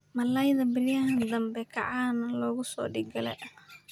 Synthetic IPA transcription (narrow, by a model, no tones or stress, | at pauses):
mɐlɐjðɐbɪlɪjɐɦɐnd̪ɐmbɛkʰɐʕaːnɐlɔːɣʊsɔ̰ːɖɪɡɐlɛ̰jʔɐ